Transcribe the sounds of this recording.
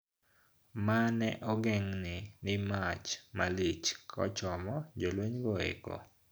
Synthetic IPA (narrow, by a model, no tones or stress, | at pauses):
manɛ̰ʔɔɡɛŋnɪnɪmat͡ʃmalit͡ʃkʰɔ̰t͡ʃɔmɔd͡ʒolweɲɡɔḛkɔ̰